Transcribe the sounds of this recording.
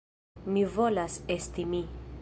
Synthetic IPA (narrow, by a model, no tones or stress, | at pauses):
mivolasestimi